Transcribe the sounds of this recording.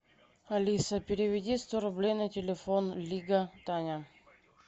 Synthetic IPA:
ɐlʲisəpʲɪɾʲɪvʲɪdʲist̪oɾʊblʲejnətʲɪlʲɪfonlʲiɡət̪anʲa

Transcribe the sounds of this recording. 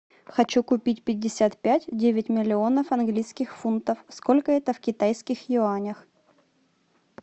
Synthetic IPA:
xɐt͡ɕukʊpʲitʲpʲɪdʲːɪsʲat̪pʲætʲdʲevʲɪtʲmʲɪlʲɪo̞nəfɐnɡlʲijskʲɪxfunt̪əfsko̞lʲkəɛt̪əfkʲɪt̪ajskʲɪxjɪanʲəx

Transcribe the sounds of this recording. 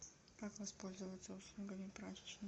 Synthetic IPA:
kakvɐspo̞lʲzəvət̪səuslˠuɡəmʲɪpɾazʲɪt͡ɕnə

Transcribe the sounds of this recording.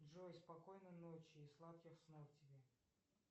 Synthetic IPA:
ʐojspɐkojnɨnot͡ɕɪːslˠat̪̚kʲɪxsnoftʲɪbʲe

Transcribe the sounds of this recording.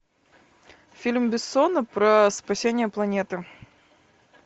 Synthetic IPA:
fʲilʲmbʲɪsːɔnɐpɾɐspasʲenʲɪjəplˠɐnʲet̪ɨ

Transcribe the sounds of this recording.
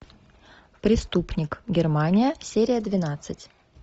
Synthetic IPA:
pɾʲɪst̪upnʲɪkɡʲɪrmanʲɪjəsʲeɾʲɪjəd̪vʲɪnat̪sɨtʲ

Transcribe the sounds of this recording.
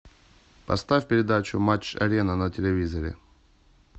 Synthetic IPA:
pɐ̰st̪afʲpʲɪɾʲɪd̪at͡ɕʊmat͡ɕɐ̰ɾʲenənətʲɪlʲɪvʲizəɾʲɪ̰

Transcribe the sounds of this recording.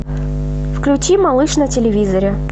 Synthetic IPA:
fklʲʊt͡ɕimalˠɨʂnɐtʲɪlʲɪvʲizɐɾʲɪ

